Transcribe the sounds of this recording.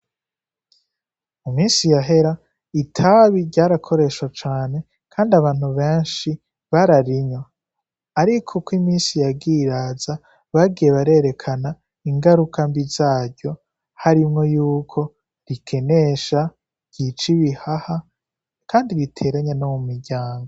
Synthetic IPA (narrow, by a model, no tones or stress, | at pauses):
umiːnsijaɦe̞ɾa | itʰaβiɾɟaːɾakʰo̞ɾe̞ʃwat͡ʃaːne̞ | kʰaːndiaβaːn̥uβe̞ːnʃi | βaɾaɾiɲo | aɾikʰo̞kwimiːnsijaɡiɾaːza | βaɡijeβaɾe̞ɾe̞kʰana | iŋɡaɾukʰambizaːɾɟo̞ | haɾimŋo̞juːkʰo̞ | ɾikʰe̞ne̞ʃa | ɟ̥it͡ʃiβihaha | kaːndiɾitʰe̞ːɾaɲanomumiɾɟaːŋɡo